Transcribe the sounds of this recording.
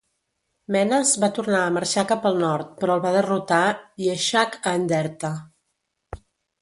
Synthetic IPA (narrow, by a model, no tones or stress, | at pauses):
mɛnəzβat̪uɾnaəməɾʃakapəlˠnɔɾt̪̚pɾɔəlˠβaðərut̪aiəʃakəːnd̪ɛɾt̪ə